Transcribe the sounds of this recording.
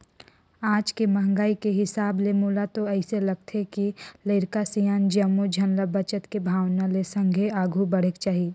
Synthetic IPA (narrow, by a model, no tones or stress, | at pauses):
aːd͡ʒkemɐɦŋɡaːikeɦɪsaːblemuːlat̪oɛːɪselɐɡ̚t̪ʰekileɪɾkasijaːnd͡ʒɐmːud͡ʒʱɐnləbɐt͡ʃət̪kebʱaːwnalesə̃ŋɡʱeaːɡʱubɐɽ̤ekt͡ʃaːɦi